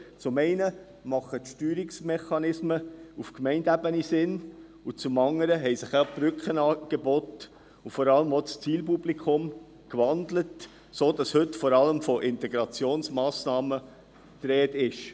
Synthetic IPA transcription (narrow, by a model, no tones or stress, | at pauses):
t͡sʊmɛɪnə | mɑχətʃtyːɾiksmɛχɑnɪsməufkmɛɪndæbənisɪn | ut͡sʊmɑŋəɾəɦɛɪsɪχab̥ɾʏkχənɑːɡ̥ebɔt | ʊfɔɾɑləmot͡st͡siːlpub̥likʰχʊm | kʋɑndlət | soːd̥ɑshɵtfɔɾɑləmfɔʔɪntɛɡɾɑt͡sjoːnsmɑːsnɑːmə | t̪ɾɛːtɪʃ